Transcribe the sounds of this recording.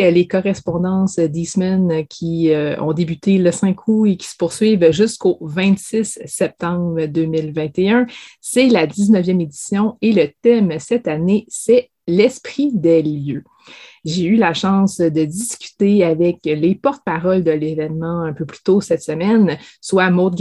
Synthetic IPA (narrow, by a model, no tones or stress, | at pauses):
lekɔʁɛspɔ̃d̪ɑ̃səd̪ismɛnkʲʰiəɔ̰̃d̪ebyt̪eləsɛ̃kʰuekʲi̥sə̥pʊʁsɥivʒʏskovɛ̃t̪sɪsːɛp̚t̪ɑ̃bʁəd̪øːmɪlvɛ̃t̪eœ̃sɛlad̪iznəvjɛmed̪isjɔ̃elət̪ɛmsɛt̪anesɛ | lɛspχid̪eljø | ʒeylaʃɑ̃sd̪əd̪iskʲy̥t̪eavɛklepɔʁt̪əpaʁɔld̪əlevɛnmɑ̃œ̃pøply̥t̪osɛt̪səmɛnswamot̪̚ɡ